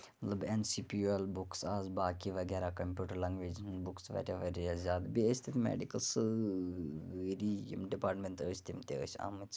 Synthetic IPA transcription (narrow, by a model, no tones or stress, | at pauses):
mɐt̪lɐbensiːpiuɛlbuksaːzbaːkiʋɐɡɛɾakɐmpʲjuːʈəɾlaːŋɡʋeːd͡ʒnbuksʋɐ̰ʈeʋɐɾiəzʲjaːd̪biəsʲt̪ʰit̪ʰmḛɖikəls | ɾijḭmɖipaːɾʈmenʈ̪əːsʲt̪imt̪eə̰ːsa̰ːmɨt͡ʃ